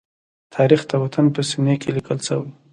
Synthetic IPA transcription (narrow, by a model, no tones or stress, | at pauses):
t̪ʰɑɾixt̪awat̪ʰanpəsinekelikəlsəwi